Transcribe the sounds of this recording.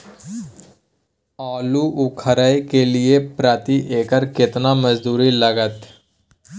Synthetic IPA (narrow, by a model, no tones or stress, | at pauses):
aːluːʔʊkʰəɾəekeːlɪepɾaːt̪iːʔeːkəɾkɪt̪naːməd͡ʒd̪uːɾiləɡət̪